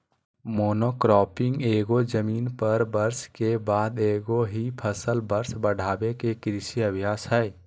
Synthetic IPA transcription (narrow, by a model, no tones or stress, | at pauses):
moːnokɾɔːpɪ̃ŋɡeːɡod͡ʒəmiːnpəɾbəɾskebaːd̪eːɡoɦipʰəsəlbəɾsbəɽ̤ʱaːbekekɾɪʃiəbʱjaːsɦɛː